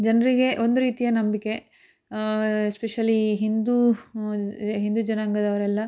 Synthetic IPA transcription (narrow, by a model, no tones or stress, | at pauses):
d͡ʒɐnɐɾiɡe̞ʔo̞nd̪uɾiːt̪ijɐnɐmbike̞ | speʃɐliɦind̪u | ɦind̪ud͡ʒɐnaːŋɡɐd̪ɐʋɐɾɛlːɐ